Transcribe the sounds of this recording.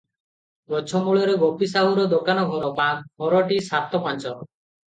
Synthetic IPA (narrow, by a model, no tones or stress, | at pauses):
ɡɔt͡ʃʰɔmuɭɔɾeɡɔpisaɦuɾɔd̪okanɔɡʱɔɾɔbaɦɔɾɔʈisat̪ɔpãnt͡ʃɔ